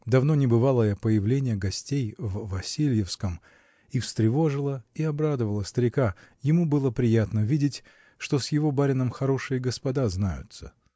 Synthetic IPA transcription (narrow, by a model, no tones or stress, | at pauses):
d̪ɐvno̞nʲɪbɨvalˠəjapəjɪvlʲenʲɪjəɡɐsʲtʲejvːɐsʲilʲjɪfskəm | ifst̪ɾʲɪvo̞ʐɨlˠəiɐbɾad̪əvəlˠəst̪əɾʲɪkajɪmubɨlˠəpɾʲɪjat̪nəvʲidʲɪtʲ | ʂt̪o̞sjɪvo̞baɾʲɪnəmxɐɾo̞ʂɨjəɡəspɐd̪aznajʊ̰t̪sə̰